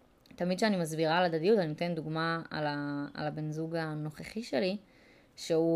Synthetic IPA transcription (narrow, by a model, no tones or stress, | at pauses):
t̪amid̪ʃeanimazbiʁaːlad̪adijutaninot̪e̞nd̪uɡmaa̰laa̰labenzuɡano̞χeχiʃeli | ʃeu